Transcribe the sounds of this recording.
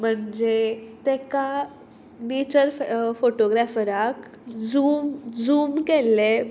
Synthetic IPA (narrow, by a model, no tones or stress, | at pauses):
m̤əɳd͡zet̪ɛka | net͡ɕəɾfoʈoɡɾafəɾak | d͡zumd͡zuːmkɛlːe